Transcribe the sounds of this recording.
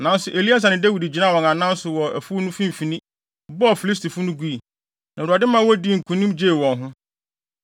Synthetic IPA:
nã˨˦n˦sʊ˨ʔe˨li˦a˦s̬a˨nɪ̃˨dæ˦wi˨di˨d͡ʑi˨nã˦˨wɔ̃˨ŋã˨nã˦n˦sʊ˨wɔ˨æ˨fu˦nʊ̃˦fĩ˦m̩˨fi˨nĩ˦ | bɔ˦ɔ˨fi˨li˦s̬tʰi˨fʊ˦nʊ̃˦ɡu˦i˨ | nã˨ɾa˨dɪ̃˦mã˦wɔ˦di˦˨ŋ̩˨kʰũ˨nĩ˦md͡ʑe˦˨wɔ̃˨ŋɦʊ̃˦

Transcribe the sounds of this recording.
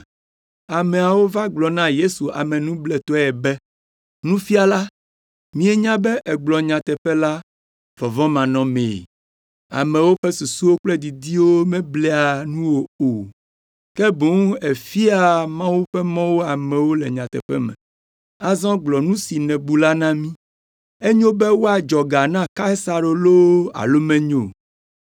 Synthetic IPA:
a˨mɛ̃˨a˨wo˦va˦ɡ͡blɔ˨nã˦je˦su˨a̰˨mɛ̃˨nũ˦blɛ˨t̪ɔ˦ɛ˨bɛ˦ | nũ˦fi˦a˨la˦ | mĩ˦ɛ˦ɲã˦bɛ˦ʔɛ˨ɡ͡blɔ˨ɲã˨t̪ɛ˨ɸɛ˦la˦ | vɔ˨vɔ̃˦mã˨nɔ̃˨mḛ˨ | a̰˨mɛ̃˨wo˦ɸɛ˦su˨su˦wo˦k͡plɛ˦d̪i˨d̪i˦wo˦mɛ̃˦blɛ˦a˨nũ˦wo˦o˨ | kɛ˦bo˨˦ŋe˨fi˦a˨mã˦wu˦ɸɛ˦mɔ̃˦wo˦a˨mɛ̃˨wo˦lɛ˨ɲã˨t̪ɛ̰˨ɸɛ̰˦mɛ̰̃˨ | a˨zɔ̃˦ɡ͡blɔ˨nũ˦si˨nɛ̃˨bu˦la˦nã˦mĩ˦ | e˦ɲõ˦bɛ˦wo˦a˨d͡ʒɔ˨ɡa˨nã˦ka˦sa˨ɾo˨lo˦a̰˨lo˦mɛ̃˦ɲo˨

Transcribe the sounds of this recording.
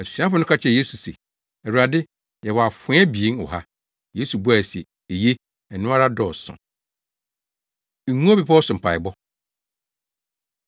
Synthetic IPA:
æ˨ssĩ˨ã˦fʊ˨˦nʊ̃˦kʰa˦t͡ɕʰɛ˦˨je˦su˨sḛ˨ | ɛ˨u˨ɾa˨dɪ˦ | jɛ˨wɔ˨a˨fʊ̃˨˦ɛ˦bi˨e˦nɔ̰˨ɦa˦ | je˦su˨bu˦a˨sɛ˨ | e˨je˦ | ɛ˨nʊ̃˦a˦ɾa˦dɔː˨sʊ̰̃˨ | e˨nũ˦o˦bi˨pʰa˦ɔ˦sʊ̃˨m˨pʰa˨ɪ˨bɔ˦

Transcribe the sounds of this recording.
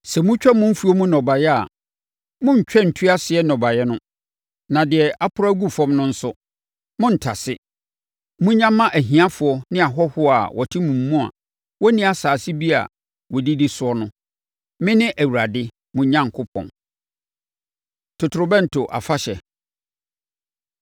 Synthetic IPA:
sɛ˨mũ˦t͡ɕᶣɛ˦mʊ̃˦m̩˦fu˨˦ɔ˦mũ˦nɔ̃˨ba˨jɛ˦a̰˨ | mʊ̃˦ɲ̩˨t͡ɕᶣɛ˦n̩˨tʰi˦a˦sɪ˨ɛ˦nɔ̃˨ba˨jɛ˦nʊ̃˦ | nã˨dɪ˨ɛ˨ʔa˦pʰʊ˦ɾa˦ɡu˦fɔ̃˦mnʊ̃˦n̩˦sʊ˦ | mʊ̃˦n̩˨tʰa̰˨sɪ˦ | mũ˦ɲã˦mːã˦ʔæ˨ɦĩ˨ã˦fʊ˨ɔ˦nɪ̃˦a˨ɦɔ˦hʊ˦ɔ˦a̰˨wʔɔ˨tʰɪ˦mũ˨mː˦ũ˦a̰˨ | wɔ˦nĩ˦a˨saː˨sɪ˦bi˦a̰˨ | wɔ˨di˦di˦sʊ˨˦ɔ˦nʊ̃˦ | mɪ̃˦nɪ̃˦ʔæ˨wu˨ɾa˨dɪ˦ | mũ˦ɲã˦ŋ˨kʰʊ˦pʰɔ̰̃˨n | tʰʊ˨tʰʊ˨ɾʊ˦bɛ̃˦n̩˨tʰo˨ʔa̰˨fa˦ɕɛ˨

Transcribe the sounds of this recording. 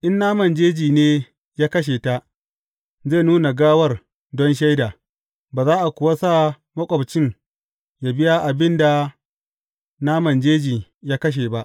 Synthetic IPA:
ʔɪ˦nːaː˦mɐ˨nd͡ʒeː˦d͡ʒiː˨neː˦ | jaː˦kɐ˦ʃ̬eː˨ta˦ʔ | ze˦˨nuː˦na˨ɡaː˦wɐ˦˨r | dɔ˦nʃ̬a˦jdaː˨ | baː˨zaː˦ʔa˨kʷʊ˨wa˦saː˦˨ | mɐ˦kʷʼɔ˨bt͡ʃɪ˦n | ja˨bɪ˦ja˦ʔa˨bɪ˦nda˨ | naː˦mɐ˨nd͡ʒeː˦d͡ʒiː˨jaː˦kɐ˦ʃ̬eː˨ba˦ʔ

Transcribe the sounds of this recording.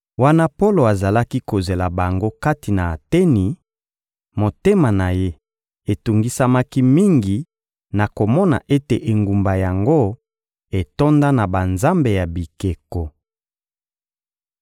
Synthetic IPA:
wa˦na˦po˦lo˨a˨za˨la˦ki˦ko˨ze˨la˨ba˨ŋɡo˦ka˦ti˨na˨a˨tɛ˦ni˨ | mo˨te˦ma˨na˨je˦ | e˨tu˨ŋɡi˦sa˦ma˦ki˦mi˦ŋɡi˨ | na˨ko˨mɔ˦na̰˨ʔe˦te˨ʔe˨ŋɡu˨mba˨ja˨ŋɡo˦ | e˨to˦nda˦na˨ba˨nza˦mbe˨ja˨bi˨ke˨ko˨

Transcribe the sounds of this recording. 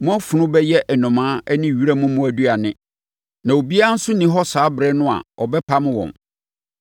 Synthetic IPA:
mʊ̃˦a˦fʊ˨nʊ̃˦bɛ˦jɛ˦ʔɛ˨nʊ̃˨mãː˨˦ɛ˦nɪ̃˦˨ɥi˦ɾæ˦mʊ̃˦mʊ̃˦æ˨du˦a˨nɪ̃˦ | nã˨o˨bi˦a˦a˦n̩˦sʊ˦nĩ˦ɦɔ˦saː˨˦bɾɛ˦nʊ̃˦a̰˨ɔ˨bɛ˦pʰa˦mɪ̃˦wɔ̰̃˨n

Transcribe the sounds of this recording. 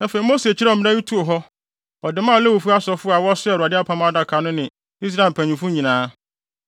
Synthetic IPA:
nã˦fe˨i˨mo˦se˨t͡ɕʰi˦ɾɛ˦˨mɪ̃˦na˦ju˦tʰu˦o˨ɦɔ˦ | ɔ˨dɪ˨˦mã˦˨lɛ˦wo˨fu˦a˦sɔ˦fʊ˦a˨wɔ˦sʊ˦ɛ˨ɾu˨a˨dɪ˦a˦pʰã˦mã˦a˦da˨kʰa˨nʊ̃˦nɪ̃˨ | i˦s̬ɾa˦ɪ˨m˨pʰæ̃˨ɲũ˨fʊ̃˦ɲĩ˨nãː˦

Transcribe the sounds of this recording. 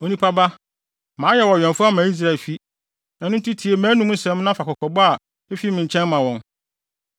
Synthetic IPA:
o˨nĩ˦pʰa˦ba˦ | mãː˨˦jɛ˦˨wɔ˨ɛ̃˨nfʊ˦a˦˨mãː˨˦i˦s̬ɾa˦˨e˨lfi˦ | ɛ˨nʊ̃˦n˦tʰi˦tʰi˨e˨mæ̃ː˨˦nũ˦m̩̃˦sɛ̃˨˦m˦nã˦fa˨kɔ˨kʰɔ˨bɔ˦a˨ | e˦fi˦mɪ̃˨ɲ̩˨t͡ɕʰɛ̃˦nmã˨wɔ̃˨n

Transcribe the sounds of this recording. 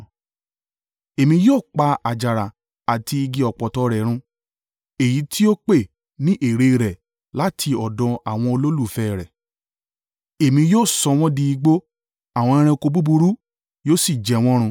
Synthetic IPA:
e˨mĩ˧joː˦˨k͡pa˧a˨d͡ʒa˨ɾa˨ | a˨ti˧i˧ɡi˧ɔ˨k͡pɔ˨tɔ˧ɾɛ˨˦ɾ̃ũ˧ | e˨ji˨˦tʰi˦o˦k͡pe˦˨ | nĩ˦ʔe˦˨ɾe˧ɾɛ˨ | la˨˦tʰi˧ɔ˨dɔ̃˧a˨w̃ɔ̃˧o˧lo˦lu˦˨fɛ˦˨ɾɛ˨ | e˨mĩ˧joː˦˨sɔ˧w̃ɔ̃˦dĩ˧i˧ɡ͡bo˦ | a˦˨w̃ɔ̃˧ɛ̃˧ɾ̃ɛ̃˧ko˧bu˦bu˧ɾu˦ | joː˦si˦˨d͡ʒɛ˨w̃ɔ̃˦ɾ̃ũ˧

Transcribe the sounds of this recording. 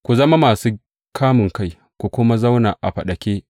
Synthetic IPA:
kʷu˨zɐ˦ma˦maː˨suː˦ | kʰaː˦mɪ˨ŋka˦˨j | kʷu˨kʷʊ˦ma˦za˦wnaː˨ʔa̰˨ɸɐ˨ɗɐ˨kʲeː˦

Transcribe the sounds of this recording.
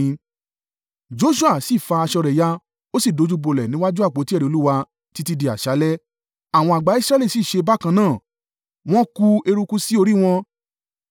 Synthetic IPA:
d͡ʒo˨˦ʃu˦a˦˨si˦˨fa˧a˧ʃɔ˧ɾɛ˨ja˧ | o˦si˦˨do˨˧˦d͡ʒu˦bo˨˧lɛ˨nĩ˨˦wa˦d͡ʒu˦a˦˨k͡po˨˦ti˦ɛ˦˨ɾi˨˧o˧˦u˦wa˧ | ti˨˦ti˧di˧a˨ʃa˨˦lɛ˦ | a˨w̃ɔ̃˧a˨ɡ͡ba˨˦i˦sɾa˧˦le˦˨si˨ʃe˧ba˦kã˧nãː˦˨ | w̃ɔ̃˦ku˧e˧ɾu˧ku˦si˦o˧ɾi˦w̃ɔ̃˧

